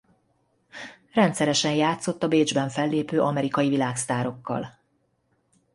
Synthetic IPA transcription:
rɛnt̪sɛɾɛʃɛnjaːt̪so̞t̪ːɒbeːd͡ʒbɛɱfɛlːeːpøːʔɒmɛɾikɒjivilaːkst̪aːɾo̞kːɒ̰l

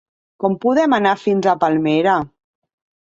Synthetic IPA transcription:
kɔmpuðɛmanafinzapalˠmeɾa

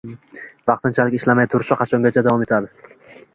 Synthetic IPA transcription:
vɑqt̪ɪnt͡ʃʰalɪkʲɪʃlamajt̪ʰʊɾɪʃɪqʰɑt͡ʃʰɒŋɡʲat͡ʃʰad̪avɒme̞t̪ʰad̪ɪ

